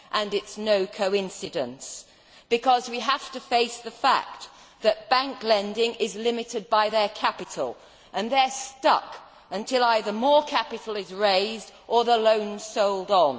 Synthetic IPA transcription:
ʔə̃nɨtsnoʊkʰoʊɪ̃nsɨdɨ̰̃ns | b̥ɨkʰʌzwiɦæftɨfeɪsðɨfæ̰k̚ | ðɨt̚b̥æ̃ŋklɛ̃ndɪ̃ŋʔɪzlɪ̃mɨɾɨd̚baɪðə˞kʰæpɨɾl̩ˠ | ʔɨ̃nðə˞stʌ̰k | ɨ̃ntʰɪlˠaɪðə˞mɔɹkʰæpɨɾl̩ˠɪzɹeɪzdʔə˞ðəlõʊ̃n̥soʊlˠdn̩

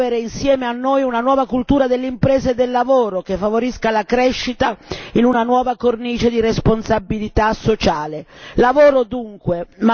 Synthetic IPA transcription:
eɾeinsjɛːmeanːojunanwɔːvakult̪uːɾad̪elːeimpɾɛːzed̪elːavoːɾokefːavoɾiskalakɾɛʃːit̪ainunanwɔːvakorniːt͡ʃed̪iɾesponsabːilit̪asːot͡ʃaːlelavoːɾod̪uŋkwema

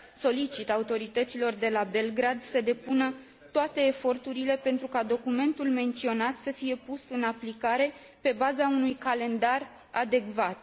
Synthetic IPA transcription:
so̞lit͡ʃit̪aut̪o̞ɾit̪ət̪silo̞rd̪e̞labe̞lɡɾad̪səd̪e̞punə | t̪oat̪e̞ːfo̞rt̪uɾile̞pe̞nt̪ɾukad̪o̞kume̞nt̪ulme̞nt̪sio̞nat̪səfije̞pusɨnaplikaɾe̞ | pe̞bazaunujkale̞nd̪ar | a̰d̪e̞kvat̪̚

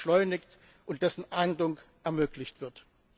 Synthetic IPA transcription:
ʃlɔʏnɪçt | ʔʊntd̥ɛsn̩ʔaɪndʊŋkʔɛɐmøːklɪçtv̥ɪɐt

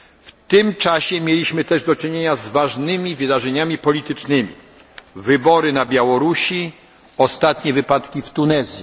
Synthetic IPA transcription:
ft̪ɘmt͡ʂaɕɛmʲjelʲiɕmɘt̪ɛʐd̪ɔt͡ʂɘɲeɲazvaʐnɘmʲivɘd̪aʐɛɲamʲipɔlʲit̪ɘt͡ʂnɘmʲḭ | vɘbɔɾɘnabʲjawɔɾuɕi | ɔst̪at̪ɲɛvɘpat̪kʲift̪unɛzʲji

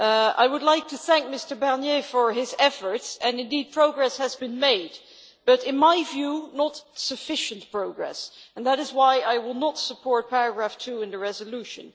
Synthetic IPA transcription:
a̰ɪwʊdˡlaɪk̚tʰuθæ̃ŋk̚mɪstə˞bɛɹnjefə˞ɪzɛfə˞tsɨ̃nɨ̃ndid̚pʰɹ̥oʊɡɹɛshɨzbɨ̃nmeɪd̚ | b̥ʌɾɪ̃nmaɪvjunətsɨfɪʃɨ̃ntpʰɹ̥oʊɡɹɛ̰sə̃nðæɾɨzwaɪaɪwɪlˠnətsəpʰɔɹt̚pʰɛɹɨɡɹæftʰuɪ̃nðɨɹɛzəluʃɨ̰̃n

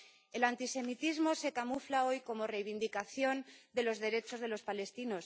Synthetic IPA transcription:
e̞lant̪ise̞mit̪izmo̞se̞kamuflao̞jko̞mo̞re̞jβ̞ind̪ikaθjo̞nd̪e̞lo̞zðe̞ɾe̞t͡ʃo̞zðe̞lo̞spale̞st̪ino̞s

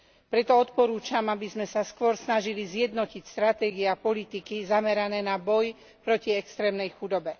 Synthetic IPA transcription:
pɾɛt̪ɔɔt̪pɔɾuːt͡ʃamabizmɛsaskʊɔɾsnaʒilizɪjɛd̪nɔcicst̪ɾat̪ɛːɡiɛapɔlit̪ikizamɛɾanɛːnabɔj | pɾɔciɛkst̪ɾɛːmnɛjxud̪ɔbɛ

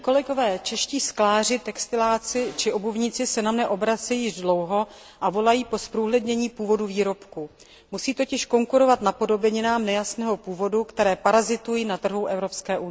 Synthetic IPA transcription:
ko̞lɛɡo̞vɛːt͡ʃɛʃciːsklaːr̝ɪt̪ɛkst̪ɪlaːt͡sɪt͡ʃɪʔo̞buvɲɪt͡sɪsɛnamɲɛʔo̞bɾat͡sɛjɪʒdlo̞wɦo̞ | ʔavo̞lajiːpo̞spɾuːɦlɛdɲɛɲiːpuːvo̞duviːɾo̞pku | musiːt̪o̞cɪʃko̞ŋkuɾo̞vat̪napo̞do̞bɛɲɪnaːmnɛjasnɛːɦo̞puːvo̞dukt̪ɛɾɛːpaɾazɪt̪ujinat̪ːr̩ɦuwʔɛvɾo̞pskɛːʔunɪ

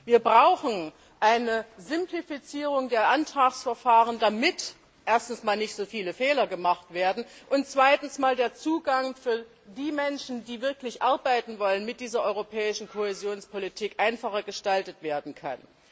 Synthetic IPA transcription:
viːɐbʁaʊxn̩ | ʔaɪnəzɪmplifit͡siːʁ̞ʊŋdeːɐʔantʁ̥aːksfɛɐfaːʁ̞əndamɪt | ʔeːɐstn̩smaːlnɪçtz̥oːfiːləfɛːlɐɡəmaχtv̥eːɐdn̩ʔʊnt̚t͡sv̥aɪtn̩smaːldeːɐt͡suːɡaŋfyːɐ | diːmɛnʃn̩diːvɪɐklɪçʔaɐbaɪtn̩vɔlənmɪt̚d̥iːzɐʔɔʏʁopʰɛːɪʃn̩kʰohezjoːnspolitʰiːkʔaɪnfaχɐɡəʃtaltətv̥eːɐdn̩kʰa̰n

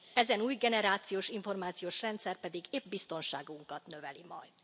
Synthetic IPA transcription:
ɛzɛnuːjɡɛnɛɾaːt̪sijoːʃiɱfo̞rmaːt̪sijoːʃrɛnt̪sɛrpɛd̪iɡeːbbist̪o̞nʃaːɡuŋkɒt̪nø̞vɛlimɒ̰jd̪

